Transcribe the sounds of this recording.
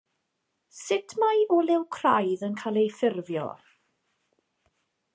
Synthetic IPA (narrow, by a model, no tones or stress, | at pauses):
sɪtʰmajɔlɛwkʰrajðənkʰalˠejfɪrvjɔ̰